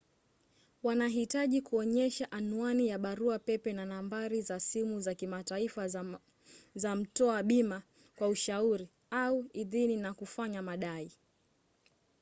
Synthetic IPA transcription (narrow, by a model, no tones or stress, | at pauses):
wanaɦitaʄikuɔɲɛʃaʔanuanijaɓaɾuapɛpɛnanambaɾizasimuzakimataifa | zam̩tɔaɓima | kwauʃauɾi | auiðininakufaɲamaɗai